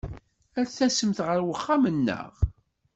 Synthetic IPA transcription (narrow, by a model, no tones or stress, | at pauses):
æɾθæsəmθʁəɾwəχːamənːə̰ʁ